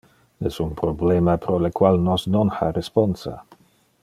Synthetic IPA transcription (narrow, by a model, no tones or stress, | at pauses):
nɛsunpɾoblɛmapɾolekwalnɔsnonxa̰ɾesponsa̰